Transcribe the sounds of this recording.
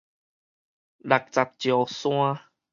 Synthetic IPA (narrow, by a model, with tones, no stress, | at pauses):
la˨k̚t͡sa˨˩t̚t͡ɕjo˨˩sw̃ã˦